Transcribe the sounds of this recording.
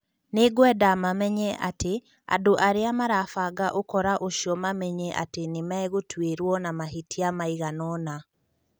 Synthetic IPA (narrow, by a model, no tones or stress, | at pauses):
neɡwɛdamamɛɲɛʔate | a̰doʔaɾeamaɾafaɡaʔokɔɾaʔoʃiɔmamɛɲɛʔa̰tenemaeɣotʰweɾwɔnamaɦitiamaiɣanɔna